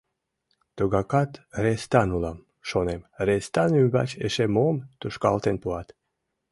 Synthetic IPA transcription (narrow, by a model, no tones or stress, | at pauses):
t̪uɡɑkɑt̪ɾest̪ɑnulɑm | ʃonemɾest̪ɑnybɑ̰t͡ɕeʃemomt̪uʃkɑ̰lt̪enpuɑt̪